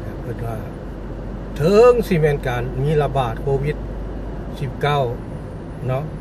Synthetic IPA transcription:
a˨˩pʰɤː˧˩t̪̚waː˧˩ | t̪ʰɤ˧ŋsi˧˩mɛː˧˥˨nkaː˨nmiː˧˥˨la˧baː˨˩t̪̚kʰoː˧wi˧˩t̪̚ | si˧˩p̚ka˧˥˩w | nɔ˦˧˥ʔ

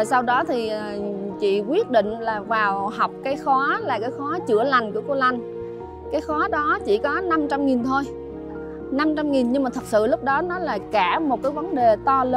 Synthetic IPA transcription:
sa˧wɗɔ˨˦t̪ʰi˨˩ʔə˨˩t͡ɕḭ˧˨kwi˦˥ət̚ɗḭ˧˨ŋ̟laː˨˩vaː˨˩wɦa˨˩wk͡p̚kaː˨˦jxɔ˨˦laː˨˩kaː˨˦jxɔ˨˦t͡ɕɨ˧˩əla˨˩jŋ̟ku˧˩əko˧la˨˩jŋ̟ | kaː˨˦jxɔ˨˦ɗɔ˨˦t͡ɕḭ˧˩kɔ˨˦na˧mt͡ɕa˧mŋi˨˩nt̪ʰo˧j | na˧mt͡ɕa˧mŋi˨˩nɲɨ˧ŋmaː˨˩t̪ʰk͡p̚sɨ̰˧˨lʊ˦˥k͡p̚ɗɔ˨˦nɔ˨˦laː˨˩kaː˧˩mo˨˩t̚kaː˨˦jvə˨˦nɗe˨˩t̪ɔ˧lə˧˦

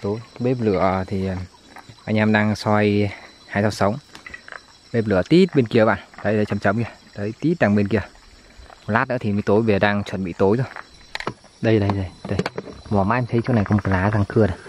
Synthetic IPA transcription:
t̪o˨˦jɓe˦˥p̬̚lɨ̰˧˩˨ət̪ʰi˨˩ə˨˩ | ʔaː˧jɲaː˧mɗaː˧ŋswa˧j | haː˧jsa˧˩wsə˨˦wŋ͡m | ɓe˦˥p̚lɨ̰˧˨ət̪i˦˥t̚ɓe˧nki˧˩əɓa̰ː˧˨nɗ̪ə˨˧˦jə˨˦jt͡ɕə˨˧˩mt͡ɕə˨˦wŋ͡mə˧˩t̪əː˨˦jt̪i˦˥t̚ɗaː˧˩ŋɓe˧nki˧˩ə | m˨˩laː˦˥t̚nɨ̰˧˥ət̪ʰi˨˩mə˨˦jt̪o˨˦jve˨˩ɗaː˧ŋt͡ɕwə̰˧˩˨nɓḭ˧˨t̪o˨˦jzo˧˦j | ɗə˧jɗə˨˧jɗə˨˧˩jɗə˧˩jmɔ˨˩maː˧ʔɛ˧mt̪ʰə˨˦jt͡ɕo˦na˨˩kɔ˨˦m̚˨˩˨laː˨˦zaː˧ŋkɨ˧˩əɗə˨˦j

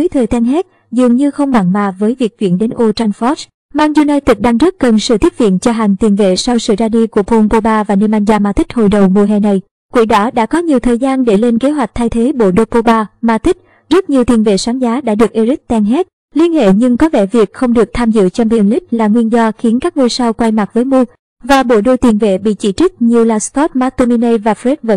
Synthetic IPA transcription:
ɨ˨˦jt̪ʰəː˨˩jt̪ɛ˧ŋɦɛ˦˥ | zɨ˨˩əŋɲɨ˧xə˧wŋ͡mɓa˧˩ŋma̰ː˧˨˩vəː˨˦jvi˨˩ək̚t͡ɕwḭ˧˩ənɗe˨˦nʔo˧t͡ɕa˧nfɔ˦˥s | maː˧ŋzu˧naː˧jt̪i˨˩k̚ɗaː˧ŋzə˦˥t̚kə˨˩nsɨ̰˧˨t̪i˦˥əp̚vḭ˧˨nt͡ɕɔ˧ɦa˨˩jŋ̟t̪i˨˩ənvḛ˧˨sa˧wsɨ̰˧˨zaː˧ɗi˧ku˧˩əpʰo˧npo˧ɓaː˧vaː˨˩ne˧mʔa˧jŋzaː˧maː˧t̪ï˦˥k̟̚ho̰˧˨jɗə˨˩wmu˧˩əɦɛ̰˨˩na˨˩j | kwḭ˧˩əɗɔ˨˦ɗa̰ː˧˥kɔ˨˦ɲi˨˩əwt̪ʰəː˨˩jzaː˧nɗe˧˩le˧nke˨˦ɦwa˨˩k̟̚t̪ʰa˧jt̪ʰe˨˦ɓo̰˧˨ɗo˧po˧ɓaː˧maː˧t̪ï˦˥k̚ | zə˦˥t̚ɲi˨˩əwt̪i˨˩ənvḛ˧˨swaː˨˦ŋzaː˨˦ɗa̰ː˧˥ɗɨ˨˩kʔi˧zi˦˥k̚t̪ɛ˧ŋɦe˦˥t̚ | li˧ənhḛ˧˨ɲɨ˧ŋkɔ˨˦vɛ˧˩vi˨˩ək̚xə˧wŋ͡mɗɨ˨˩ək̚t̪ʰaː˧mzɨ̰˧˨t͡ɕŋ͡mvḭ˧˨ənli˦˥k̟̚laː˨˩ŋwi˧nzɔ˧xi˨˦ənkaː˦˥k̚mu˧jsa˧wkwa˧jma˨˩t̚vəː˨˦jmu˧ə | vaː˨˩ɓo̰˧˩ɗo˧˩t̪i˨˩nvḛ˧˨ɓḭ˧˨t͡ɕḭ˧˩t͡ɕi˦˥k̟̚ɲi˨˩əwlaː˨˩skɔ˦˥t̚maː˧t̪o˧mi˧nə˧jvaː˨˩fɛ˦˥t̚və̰˧˥n

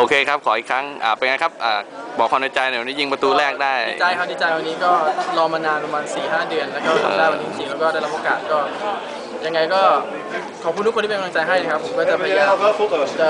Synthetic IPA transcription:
ʔoː˧kʰeː˧kʰa˦˥p̚kʰɔː˩˦ʔi˨˩kʰɾa˦˥ŋʔa̰ː˨˩pa˧ŋa˧˦jkʰa˦˥p̚ʔa̰ː˨˩bɔː˨˩kʰa˧na˧˩t͡ɕa˧jna˧˩wa˧niː˦˥ji˧ŋpa˧t̪uː˧lɛː˥˩k̚daː˥˩jt͡ɕa˧jkʰa˥˩t͡ɕi˧˩t͡ɕaː˧jwa˧nːiː˦˥kɔː˥˩lɔː˧maː˧naː˧npɾa˧maː˧nsiː˨˩ɦaː˥˩dɯ˧ənlɛː˦˥wkɔː˥˩˥a˧daː˥˩wa˧niː˧˥i˧˩siː˨˩ŋlɛː˦˥wkɔː˥˩da˥˩jla˦˥p̚ʔoː˧kaː˨˩t̪̚kɔː˥˩ | ja˧ŋːa˧jkɔː˥˩ | kʰɔː˨˩p̚kʰu˧t̪u˦˥ktʰiː˥pe˧kːt͡ɕa˧jɦa˥˩jna˦˥kʰpʰːo˨˩˦mkɔː˥˩t͡ɕa˨˩pʰa˧jaː˧˩

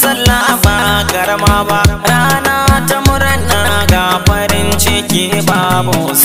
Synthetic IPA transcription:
sɐ˦lːa˦ba˨ɡɐ˨ɾmaː˦baː˦ʔɾaː˦naː˦tɐ˦mʊ˦ɾɐ˦nːa˨˦ɡa˨ɸɐ˦ɾɪ˦nt͡ʃe˦kʲi˨˦baː˦bʊ˨

